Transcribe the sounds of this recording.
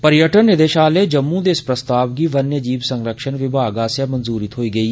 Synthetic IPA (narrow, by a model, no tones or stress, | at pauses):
pəɾjəʈənːɪd̪eːʃaːleːd͡ʒəmːũd̪eːspɾəst̪aːʋɡiːʋənjəd͡ʒiːbsəŋɾəkʃənʋɪbʱaːɡaːsəmənzuːɾɪt̪ɦoːiːɡəiː